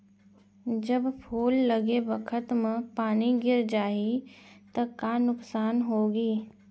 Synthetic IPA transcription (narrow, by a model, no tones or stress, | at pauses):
d͡ʒəbpʰuːlːɐɡebəkʰət̪məpaːniɡɪɾd͡ʒaːit̪ɐkanʊksaːnɦoːɡiː